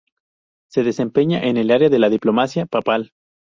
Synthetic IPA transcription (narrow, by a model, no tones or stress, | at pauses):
se̞ðe̞se̞mpe̞ɲaʔene̞laɾeaðe̞laðiplo̞masjapapal